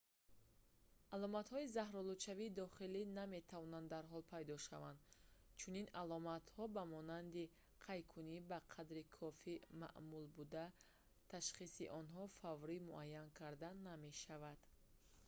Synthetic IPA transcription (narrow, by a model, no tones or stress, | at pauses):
alɔmat̪hɔizahɾɔlut͡ʃaviːd̪ɔχiliname̞t̪ʰavɔnand̪d̪aɾɦɔlpʰajd̪ɔʃavand̪t͡ʃʰuninalɔmat̪hɔbamɔnand̪i | qʰajkʰunibaqʰad̪ɾikʰɔfima̰ʔmulbud̪a | t̪ʰaʃχisiʔɔnɦɔfavɾimuʔajːankʰaɾd̪anːame̞ʃavad̪̥